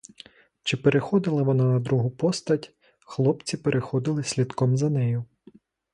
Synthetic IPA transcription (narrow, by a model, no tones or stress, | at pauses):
t͡ʃɪpeɾexɔd̪ɪlˠɐʋɔnanɐd̪ɾuɦʊpɔst̪ɐtʲ | xlˠɔpt͡sʲipeɾʔexɔd̪ɪlˠɪsʲlʲid̪kɔmzɐnɛjʊ